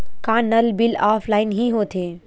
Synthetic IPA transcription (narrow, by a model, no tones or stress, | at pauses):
kãːnɐlbɪlaːfʰlaːɪnɦiɦoːt̪ʰeː